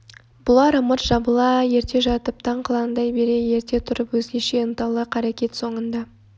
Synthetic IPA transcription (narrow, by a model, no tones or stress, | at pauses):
b̥ʊlˠɑɾəməɾʒ̥ɑbəlˠɑje̞ɾt̪ʰe̞ʒɑt̪əp̚t̪ʰɑɴqʰlˠɑnənd̪ɑjbe̞ɾe̞je̞ɾt̪e̞t̪ʰʊɾəpwɵzɡʲe̞ʃe̞ənt̪ɑlˠəqʰɑɾakʲe̞t̪so̞ɴənd̪ɑ